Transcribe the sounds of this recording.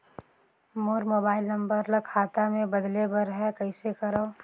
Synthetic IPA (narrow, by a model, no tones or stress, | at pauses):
moːɾmoːbaːɪlnɐ̃mbəɾlɐkʰaːt̪amẽbɐd̪lebɐɾɦɛkɐɪsekɐɾaː